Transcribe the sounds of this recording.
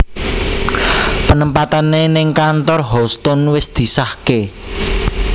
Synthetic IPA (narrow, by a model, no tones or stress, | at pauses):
pənəmpat̪anenɪŋkant̪ɔrɦɔst̪ɔnwɪsd̪̥i̤sahke